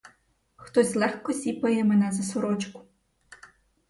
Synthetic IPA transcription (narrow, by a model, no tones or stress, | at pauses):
xt̪ɔsʲlˠɛxkɔsʲipɐjɛmɛnazɐsuɾɔt͡ʃkʊ̥